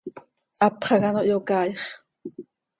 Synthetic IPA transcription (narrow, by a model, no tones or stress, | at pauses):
ʔɑpχɑɣɑnoʔjokɑːjχ